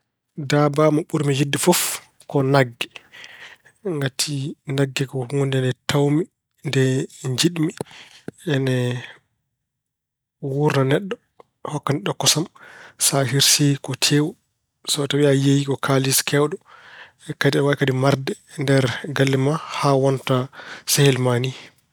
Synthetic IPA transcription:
dabamaɓuɾmid͡ʒidːifɔf | kɔnaɡːɛ | ŋɡatʰinaɡːɛkɔhuŋɡundɛnɛtawmi | ndɛɲd͡ʒiɗmi | ɛnɛ | wuɾnanɛɗːɔ | hɔkːaniɗɔkːɔsamsaɦiɾsikɔtʰewɔ | sɔtabiajejikɔkʰaliskɛwɗɔ | ɛkadiɛwakadimaɾdɛndɛɾɡalːimahawɔntasɛhɛlmani

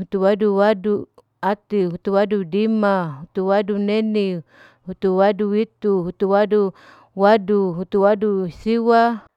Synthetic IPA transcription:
ɦut̪uwaduwadu | at̪iɦut̪uwadudimaɦut̪uwaduneni | hut̪uwaduit̪uɦut̪uwadu | waduɦut̪uwadusiwa

